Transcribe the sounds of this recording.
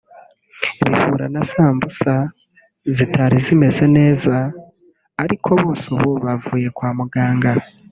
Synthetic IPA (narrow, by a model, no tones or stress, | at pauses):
βifuɾanasaːmbusa | zitʰaɾizime̞ze̞ne̞ːzaː | ɾikʰo̞βoːsoβo̞βavuːje̞kwaːmuɡaːŋɡa